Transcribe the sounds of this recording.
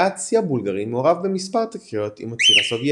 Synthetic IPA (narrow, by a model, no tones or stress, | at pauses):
at͡sjabulɡaʁimeoʁavbemispaʁt̪akjot̪ḭmat͡siʁasovje